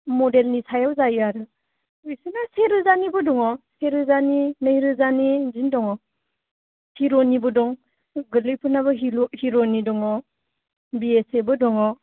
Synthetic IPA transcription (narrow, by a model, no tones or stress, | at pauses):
mɔdelnisajawzajaɾɯ | ɯjsɯnaseɾɯzanibɯdɔŋɔseɾɯzaninɯjɾɯzanizindɔŋɔ | hiɾɔnibɔdɔŋ | ɡɯlɯjpʰɯnaβɯɦihiɾɔnidɔŋɔ | biesebɔdɔŋɔ